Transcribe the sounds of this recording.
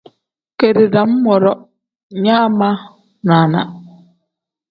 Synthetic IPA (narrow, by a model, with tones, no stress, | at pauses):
ke˨ɾe˨da˨m̩˦mɔ˨ɾɔ˦ | ɲa˦ma˦ | na˨na̰˨